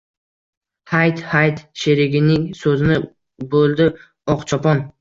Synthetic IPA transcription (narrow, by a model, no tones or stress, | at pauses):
hajt̪hajt̪ʃeɾɪɡʲɪnɪŋsɵzɪnɪ | bolˠd̪ɪ | ɒqt͡ʃʰɒpɒn